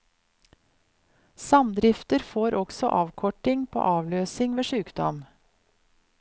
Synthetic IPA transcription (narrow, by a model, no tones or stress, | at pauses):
sɑmd̪ɾɪft̪əɾfoːɾʔɔksɔ̰ʔɑːʋkʰɔʈɪŋpʰo̰ːʔɑːʋløːsɪŋʋeːʃʉːkd̪ɔm